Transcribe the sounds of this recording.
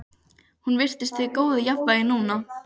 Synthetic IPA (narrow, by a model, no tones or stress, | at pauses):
hunvɪr̥t̪ɪst̪ʰɪkoːwðɪjapvajɪnuːna